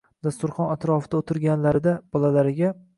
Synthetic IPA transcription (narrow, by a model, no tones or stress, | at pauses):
d̪̥ast̪ʊɾχɒnat̪ɾɒfɪd̪aot̪ʰɪɾɡʲanlaɾɪd̪ab̥ɒlalaɾɪɡʲa